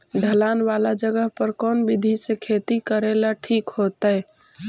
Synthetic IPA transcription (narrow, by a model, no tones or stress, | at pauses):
ɖʱəlaːnʋalad͡ʒəɡəɦpəɾkɔːnbid̪ʱisekʰet̪ikəɾelaʈʰiːkɦot̪əɛ